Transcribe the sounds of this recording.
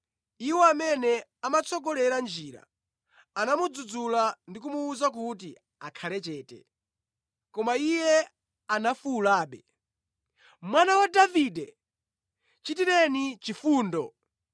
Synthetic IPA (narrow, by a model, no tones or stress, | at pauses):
iwɔamɛnɛamat͡sʰɔɡɔlɛɾand͡ʒiːɾa̰ | anamud͡zud͡zulandik̬umuːzak̬uti | akʰalɛt͡ʃɛːtɛ̰ | kɔmaijɛ | anafulaːɓɛ | mwanawadavidɛ | t͡ʃitiɾɛnit͡ʃifuːndɔ